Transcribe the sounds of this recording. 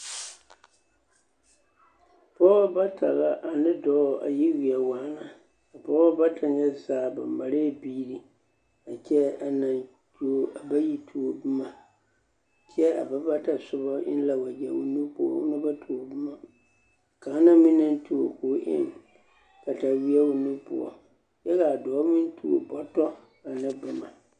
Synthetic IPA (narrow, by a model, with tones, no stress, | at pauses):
pɔ˦ɣa˦ba˦ta˨ɣa˦ʔa˨nɪ˦dɔ˦˨a̰˨ji˦wi˨ɛ˨waː˦na˨ | a˨pɔ˦ɣɔ˦ba˦tʰa˨ɲɛ˦zaː˨ba˨ma˨ɾe˦˨biː˦ɾi˨ | a˨kʲɛ˦a˨na˨n | tu˨o˦a˨ba˦ji˦tʰu˨˦o˨bɨ˦ma˨ | kʰɛ˦a̰˨ba˦ba˦ta˨sʊ˦bɔ˦ʔɪ̰˦n˦la˨wa˨d͡ʒɛ˨wṵ˦nu˦pʊ˦˨ɔ̰˦ʊ̰˦na˦ba˦tʰu˨o˨bɨ˦ma˨ | ka˨a˦na˦mɪ̃˦na˦ntu˨o˨ko˨˦ʔɪ̰˦n | ka˨ta˨wi˦ɛ˦wu˦nu˦pʊ̰˨ɔ̰˨ | jɛ˦ka˨a˨dɔ˨˦mɪ˦n˦tʰu˨o̰˨bɔ˦tɔ˦ | a˨nɪ˦bɨ˦ma˨